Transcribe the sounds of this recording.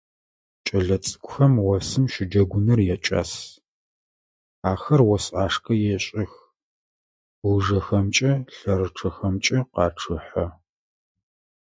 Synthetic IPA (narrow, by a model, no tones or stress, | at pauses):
t͡ʃʼɐɮɐt͡sʼɨ̥kʷʼʊxɐmwɔsɨmʃɪd͡ʒɐɡʷʊnɐrjɛt͡ʃʼa̰ːs | aːxɐrwɔsaːʂkʰʼɐjɛɕʼɪx | wuʐɐxɐmt͡ʃʼɐɬɐrɨʈ͡ʂʰɐxɐmt͡ʃʼɪqɑːʈ͡ʂʰɨħɐ